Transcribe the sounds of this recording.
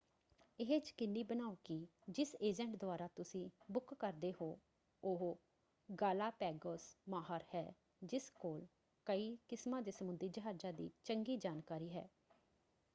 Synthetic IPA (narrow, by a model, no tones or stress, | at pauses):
ɪɦeːt͡ʃkɪnːiːbənaːukɪd͡ʒɪseːd͡ʒɛ̃ːɳʈd̪ʊaːɾaːt̪ʊsĩːbʊkːəɾd̪eːɦoː | ʊɦ | ɡaːlaːpɛːɡoːsmaːɦaːɾhɛː | d͡ʒɪskoːl | kəiːkɪsmãːd̪eːsəmʊnd̪iːd͡ʒəɦaːd͡ʒãːd̪ḭːt͡ʃəŋɡiːd͡ʒaːnkaːɾiːɦɛ̰ː